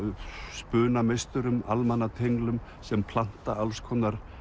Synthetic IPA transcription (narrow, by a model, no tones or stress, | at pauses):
spʏːnamejst̪ʏɾʏmalmanːat̪ʰejŋlʏm | sɛmpʰlan̥t̪aalskʰɔnaɾ̥